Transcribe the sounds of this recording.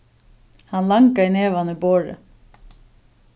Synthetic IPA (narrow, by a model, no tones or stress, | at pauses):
hɑnlɑŋkɑineːʋɑnəboːɹə̰